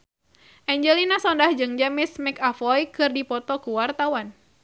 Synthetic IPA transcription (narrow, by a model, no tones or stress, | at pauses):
ʔɛɲd͡ʒɛlinasɔndahd͡ʒɨŋd͡ʒamismɛkafɔjkɨrdipɔt̪ɔkuwart̪awan